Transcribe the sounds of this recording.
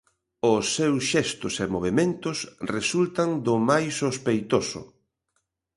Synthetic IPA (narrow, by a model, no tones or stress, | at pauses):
ʊsːewsʃɛst̪ʊsemoβemẽnt̪ʊsresult̪aŋd̪ʊmajsːospejt̪osʊ̰